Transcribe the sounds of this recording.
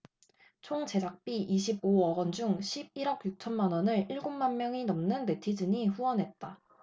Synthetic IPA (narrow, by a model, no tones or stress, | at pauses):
t͡ɕʰoŋd͡ʑe̞d͡ʑak̚p͈iʔiɕʰib̚oʌɡʌnd͡ʑuŋɕʰib̚iɾʌkjuk̚t͡ɕʰʌnmanʌnɯɭiɭɡommanmjʌŋinʌmnɯnbe̞tʰid͡ʑɯɲiɸuwʌnɦe̞t̚t͈a